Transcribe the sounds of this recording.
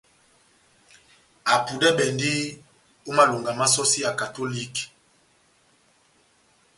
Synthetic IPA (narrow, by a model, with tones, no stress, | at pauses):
a˨pu˨dɛ˦bɛ˨ndi˦ | o˦ma˦lo˨ŋɡa˨ma˦sɔ˦si˦ja˨ka˨to˦li˦k